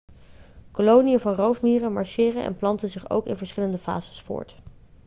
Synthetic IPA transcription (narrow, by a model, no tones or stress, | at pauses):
kolownijəvɑnrowfmiːrəmɑɹʃɪːrənɛ̰nplɑntəzɪχo̰wkɪnvəɹsχɪləndəfa̰ːz̥əsfʊ̰ːɹt